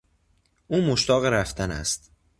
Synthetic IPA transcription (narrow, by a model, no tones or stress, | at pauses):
ʔuːmoʃt̪ʰɒːɣeɾæft̪ʰænæ̰st̪